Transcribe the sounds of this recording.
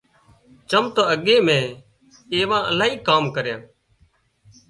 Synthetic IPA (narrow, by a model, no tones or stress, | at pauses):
t͡ʃəmt̪oːəɠeːmẽː | eːʋãːʔəlaːɦiːkaːmkəɾjãː